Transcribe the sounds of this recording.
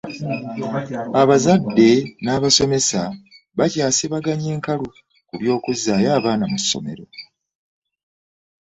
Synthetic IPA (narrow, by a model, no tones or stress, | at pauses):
aβazadːe̞naːβaso̞me̞sa | βacaːseβaɡaɲe̞ːŋkalu | kuβjo̞ːkuzːaːjaːβaːnamusːo̞̰me̞̰ɾo̞